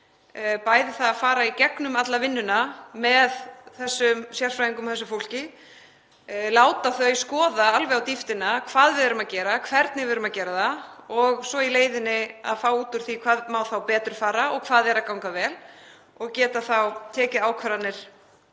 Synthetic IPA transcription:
paːjðɪθaðafaːɾaicɛknʏmat̪lavɪnːʏnamɛðθɛsːʏmsjɛr̥fɾajiŋkʏmθɛsːʏfowl̥cɪ | laːwt̪aθœɥskɔːðaalvɛɣawt̪ift̪ɪnakʰv̥aːðvɪðʏɾʏmaðcɛːɾakʰvɛɾt̪nɪvɪːðɾʏmacɛːɾaθaɔɣsɔileːjðɪnːɪa̰ðfaːwuːt̪ʏɾ̥θikʰvaːðmawθawpɛːt̪ɾʏɾfaːɾaɔɣkʰvaːðɛɾakawŋkavɛːl | ɔɣcɛːt̪aθawt̪ʰɛːcɪaːwkʰvɛɾat̪nɪɾ̥

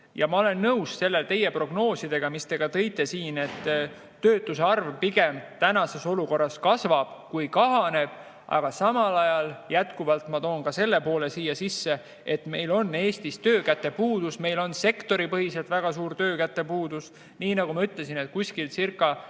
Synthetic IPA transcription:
jɑmɑo̞le̞nːɤwsse̞lːet̪e̞jepro̞ɡ̥no̞ːsid̪̥e̞ɡ̥ɑmist̪e̞ɡ̥ɑt̪ɤ̞jt̪ːˑe̞siːne̞t̪ː | øːt̪ːˑuseɑrvpiɡ̥e̞mt̪ænɑse̞so̞luko̞rːɑskɑsvɑb̥kujkɑɦɑne̞b̥ | ʔɑ̰ɡ̥ɑsɑmɑlɑjɑljæt̪kuvɑlt̪mɑt̪o̞ːnkɑse̞lːe̞po̞ːle̞siːjɑsisːe̞ | et̪me̞jlo̞nːe̞ːst̪ist̪øːkæt̪ːˑe̞puːd̪̥usme̞jlo̞nse̞kt̪o̞ɾipɤɦise̞lt̪væɡ̥ɑsuːrt̪øːkæt̪ːe̞puːd̪̥us | niːnɑɡumɑyt̪le̞sinet̪̚kusʲkilsirkːˑɑ

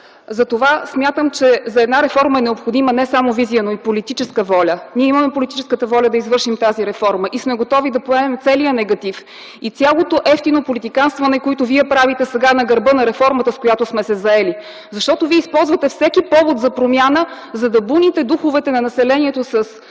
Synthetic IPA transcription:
zɐt̪ovasmʲjat̪əmt͡ʃɛzɐɛd̪naɾɛfɔɾmɐɛnɛopxod̪imənɛsamovizijənoipolit̪it͡ʃɛskəvɔlʲəniɛiməmɛpolit̪it͡ʃɛskət̪əvɔlʲəd̪ɐizvɤɾʃimt̪aziɾɛfɔɾməʔismɛɡot̪ɔvid̪ɐpoɛmɛmt̪sɛlijənɛɡɐt̪if | it̪sʲalˠot̪oʔɛft̪inopolit̪ikanst̪vɐnɛkoit̪ʊviɛpɾavit̪ɛsɛɡanɐɡɐɾbɤnɐɾɛfɔɾmət̪əskojat̪osmɛsɛzɐɛli | zɐʃt̪ɔt̪oviɛispɔlˠzvɐt̪ɛfsɛkipɔvot̪zɐpɾomʲjanə | zɐd̪ɐbunit̪ɛd̪uxovɛt̪ɛnɐnɐsɛlɛniɛt̪osəs

